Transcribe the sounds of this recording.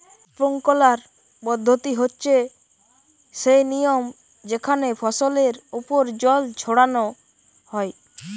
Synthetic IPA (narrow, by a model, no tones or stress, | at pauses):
poŋkɔlaɾ | pɔd̪ʱːot̪iɦotːt͡ʃʰe | sejnijom | d͡ʒekʰanepʰɔsoleɾupoɾd͡ʒɔld͡ʒʰʱoɽanɔ | hɔej